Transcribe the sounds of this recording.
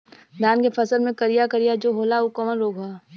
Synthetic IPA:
d̪aːnkefʰɐsəlmẽkɐɾijakɐɾijad͡ʒoːɦoːlaukəmənɾoːɡaː

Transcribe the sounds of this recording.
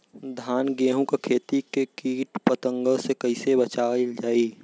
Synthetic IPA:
d̪ʱaːnɡeːɦũkekʰeːt̪ikekiːʈpət̪ə̃ŋɡəsekɐɪsebət͡ʃaːld͡ʒaːiː

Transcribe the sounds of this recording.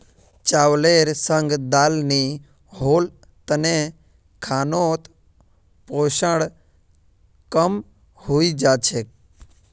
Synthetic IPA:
t͡ʃawleɾsə̃ŋɡd̪aːlni | ɦoːl | t̪əne | kʰaːnot̪ | poʃəɽ | kəm | huid͡ʒaːt͡ʃʰe

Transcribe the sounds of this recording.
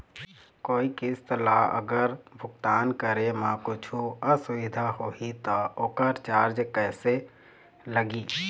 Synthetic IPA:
koːikɪst̪əlaːə̰ɡəɾbʱʊkt̪aːnkəɾemãkʊt͡ʃʰuəsʊʋɪd̪ʱahoːit̪ookəɾt͡ʃaːɾd͡ʒkɛːse | ləɡiː

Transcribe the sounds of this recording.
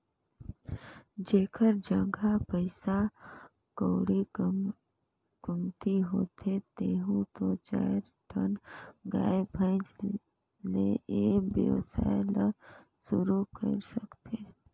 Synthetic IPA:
d͡ʒeːkʰəɾd͡ʒə̃ŋɡʱapəɪsa | koːɽi | kʊmt̪iɦoːt̪ʰet̪eːɦũt̪ot͡ʃa̰ːɾ | ʈʰəɳɡa̰ːebʱə̃ɪd͡ʒ | leʔeːbjə̰ʋsa̰ːelə | sʊɾukə̰ɾsəkt̪ʰeː

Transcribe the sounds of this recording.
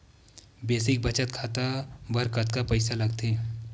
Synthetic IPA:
beːsɪk̚bɐt͡ʃət̪̚kʰaːt̪abɐɾkət̪̚kapɐɪsalɐɡt̪eɦɛ̃

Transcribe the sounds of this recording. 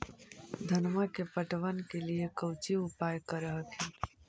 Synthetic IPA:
d̪ʱɐnmakepəʈʋənkeliekɐʊt͡ʃiʊpaːjkəɾəɦət̪ʰĩː

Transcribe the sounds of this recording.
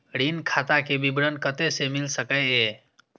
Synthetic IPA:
ɾinkʰat̪akebibɾənkət̪esemilsəkəe

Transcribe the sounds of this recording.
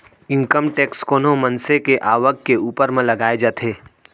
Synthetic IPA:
ɪ̃ŋkəmʈɛːkskoːnõmɐ̃nsekeʔaːʋəkkeuːpəɾmẽlɐɡaːed͡ʒaːt̪ʰeː

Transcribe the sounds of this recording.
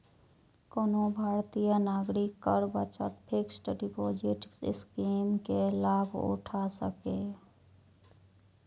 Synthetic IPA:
koːnobʱaːɾt̪ijanaːɡɾɪkːəɾbət͡ʃət̪pʰɪksʈɖɪpoːd͡ʒɪʈskimkelaːbʱʊ̰ʈʰasə̰ke

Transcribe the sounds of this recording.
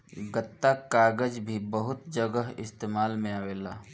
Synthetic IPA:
ɡət̪ːakaːɡəd͡ʒbʱibəɦʊt̪d͡ʒəɡəɦɪst̪eːmaːlmẽaːʋeːlaː

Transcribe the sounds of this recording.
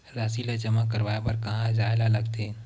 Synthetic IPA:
ɾasilad͡ʒəmakəɾʋaːepɐɾkɐɦãd͡ʒaːelalɐɡt̪e

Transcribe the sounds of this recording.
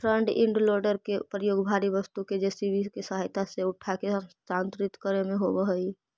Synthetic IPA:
pʰɾəɳɖɪ̰̃ɳɖloːɾɖəɾkepɾəjoːɡbʱaːɾiʋəst̪uked͡ʒesibiskesəɦajt̪aseʊʈʰakesaːnt̪ɾɪt̪kəɾemẽɦobəɦəi

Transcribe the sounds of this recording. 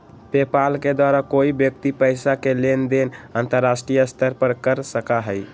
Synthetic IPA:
pepalked̪waɾakoibjək̚t̪ipəɪsakelend̪enant̪əɾːasʈɾijəst̪ʰəɾpəɾkəɾsəkaɦəj

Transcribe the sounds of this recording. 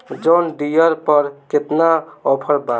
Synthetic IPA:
d͡ʒɔnɖijəɾpəɾket̪naɔpʰəɾba

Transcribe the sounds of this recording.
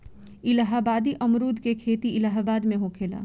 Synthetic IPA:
ɪlaɦaːbaːd̪iʔɐmɾuːd̪kekʰeːt̪iʔɪlaɦabaːd̪mẽɦokʰeːla̰ː

